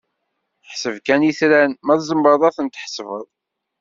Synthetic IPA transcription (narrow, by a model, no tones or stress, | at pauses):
ħsəvkæniθɾænmæðzəmːəðˤæθənt̪ə̥ħsvə̰ðˤ